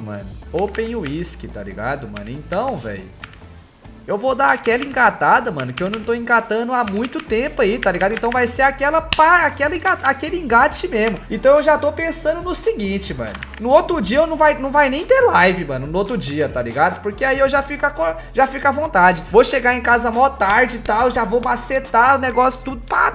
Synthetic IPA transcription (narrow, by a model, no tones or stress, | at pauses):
mɐ̰̃nʊopẽj̃ʊiskɪt̪a̰lḭɡa̰d̪ʊmɐ̰̃nʊḛ̃nt̪ɐ̃w̃vɛ̰jʊ | ewvod̪aɾakɛlɐĩŋɡat̪ad̪ɐmɐ̰̃nʊkɪewnɐ̃w̃t̪oĩɡat̪ɐ̃nʊamũj̃t̪ʊt̪ẽpʊait̪aliɡad̪ʊẽt̪ɐ̃w̃vajseɾakɛlɐpaakɛlɐĩɡat̪akelɪĩɡat͡ʃɪmezmʊẽt̪ɐ̃w̃ewʒat̪owpẽsɐ̃nd̪ʊnʊsɪɡĩt͡ʃɪmɐ̰̃nʊnʊot̪ɾʊd͡ʒiɐewnɐ̃w̃vajnɐ̃w̃vajnẽj̃t̪eɾlajvɪmɐ̰̃nʊnʊot̪ɾʊd͡ʒiɐt̪alḭɡad̪ʊpoɾkeaiewʒafikʊakoɾ | ʒafikavõnt̪ad͡ʒɪvoʃeɡaɾẽkazɐmawt̪aɾd͡ʒɪt̪awʒavowmaset̪aʊneɡɔsjʊ̥t̪ud̪ʊpa̰